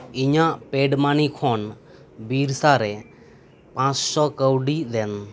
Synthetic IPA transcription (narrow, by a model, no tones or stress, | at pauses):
iɲaʔpeɖmanikʰɔn | biɾsaɾɛ | pãt͡ʃsɔkəwɖid̪ɛn